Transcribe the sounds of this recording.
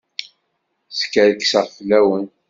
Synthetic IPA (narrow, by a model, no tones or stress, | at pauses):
skæɾksəʁfəlːæwən